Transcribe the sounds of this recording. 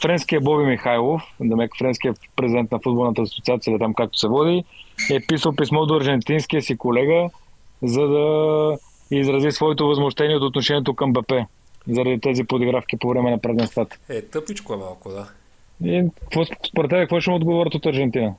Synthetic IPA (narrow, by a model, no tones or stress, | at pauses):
fɾɛnsk̟ijəbɔbimixajlˠofd̪ɐmɛkfɾɛnskijəpɾɛzid̪ɛnt̪nɐfud̪̚bolˠnət̪əsot̪siat̪siəilit̪amkak̚t̪o̥sɛvɔd̪iɛpisəlˠpismɔd̪ɐɾʒɛnt̪inskiəsikolɛɡəzɐd̪ɐ | izɾɐzisvɔɛt̪ovɐzmoʃt̪ɛniɛot̪ot̪noʃɛniɛt̪okɐmbɛpɛ | zɐɾɐd̪it̪ɛzipod̪oɡɾafk̟ipovɾɛmɛnɐpɾɛzɛnst̪vat̪ɛt̪ɤpit͡ʃkoɛmalˠkod̪a | i̥kvɔspoɾɛt̪ːɛβɛkək̪vɔʃɛmod̪ɡovɔɾət̪ot̪ɐɾʒɛnt̪inə